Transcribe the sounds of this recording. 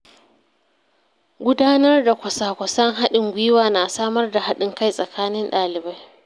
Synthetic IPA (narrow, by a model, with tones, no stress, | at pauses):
ɡʷʊ˦daː˦nɐ˦rda˨kʷɐ˨saː˨kʷɐ˨sɐ˦ŋɦa˦ɗɪ˨ŋɡʷɪ˦waː˨na˨saː˦mɐ˦rda˨ha˦ɗɪ˨ŋka˦˨jsʼɐ˨kʰaː˦nɪ˦nɗaː˨lɪ˨ba˦j